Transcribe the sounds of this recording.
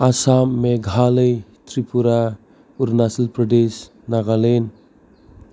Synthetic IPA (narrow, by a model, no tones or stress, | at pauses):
asamːeɡʱaləjt̪ʰɾipuɾa | uɾnasilpɾɔdes | naɡalen